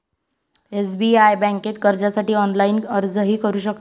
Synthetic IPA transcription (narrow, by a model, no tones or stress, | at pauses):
esbiajbɛ̃ŋket̪kəɾd͡ʑasaʈiːɔnlainəɾd͡zəɦiːkəɾuːɕəkt̪